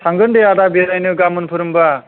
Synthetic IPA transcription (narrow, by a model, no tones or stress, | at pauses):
tʰaŋɡɯndeadabeɾajnɯɡamɯnpʰɯɾɯmba